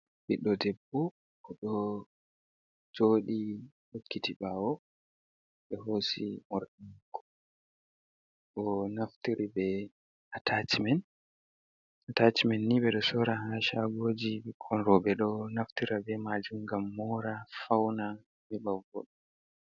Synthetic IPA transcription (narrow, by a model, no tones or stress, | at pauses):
ɓiɗɔdɛbːɔ | ʔɔɗɔ | d͡ʒoːɗi | ɗokːitiɓawɔ | ɓɛɦoːsimɔɾɗiŋkʰːɔ̥ | ʔɔnaftiɾibɛ | atʰatimɛn | atat͡ʃimɛnːiɓɛɗɔsɔɾaɦaʃaɡoːd͡ʒiɓɛkʰɔnɾɔbɛɗɔnaftiɾabɛmad͡ʒumɡamːɔɾafawna | bɛɓavɔ̰ɗɔ